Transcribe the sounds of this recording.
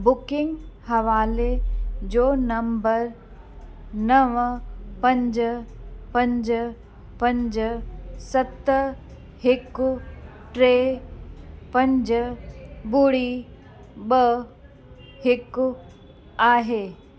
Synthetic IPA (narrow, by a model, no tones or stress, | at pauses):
bʊkɪ̃ŋɡhɐʋaːled͡ʒoːnɐmbəɾ | nɐʋpɐ̃ɲd͡ʒ | pɐ̃ɲd͡ʒ | pɐ̃ɲd͡ʒsɐt̪ | hɪkʊ | ʈɾeː | pɐ̃ɲd͡ʒ | bʊɽi | ɓə | hɪkʊ | aːɦeː